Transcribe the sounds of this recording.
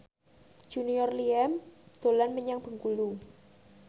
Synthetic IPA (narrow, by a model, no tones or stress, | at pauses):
d͡ʒ̥uniɔrliɛmd̪̥o̤lanməɲaŋb̥ə̤ŋkulu